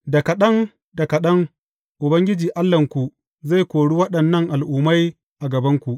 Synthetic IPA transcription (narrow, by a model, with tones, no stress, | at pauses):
dɐ˨kɐ˨ɗɐ˦ŋ | dɐ˨kɐ˨ɗɐ˦ŋ | ʔʊ˨bɐ˦ŋɡʲɪ˦d͡ʒiː˨ʔa˦lːɐ˨ŋkʷu˨ | za˦˨jkʷoː˨ɽu˦wɐ˦ɗɐ˨nːɐ˦˨ŋʔa˨lʔuː˨ma˦j | ʔa˨ɡɐ˨bɐ˦ŋkʷu˨ʔ